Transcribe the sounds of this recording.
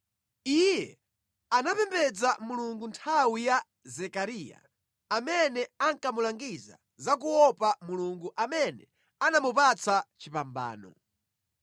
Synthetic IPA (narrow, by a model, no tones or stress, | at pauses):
ijɛ | anapɛmbɛd͡zamuluŋɡuntʰawija | zɛkaɾiːja̰ | amɛnɛaŋkamulaŋɡiza̰ | zak̬uɔpamuluŋɡuʔamɛnɛ | anamupat͡sat͡ʃipamba̰ːnɔ̰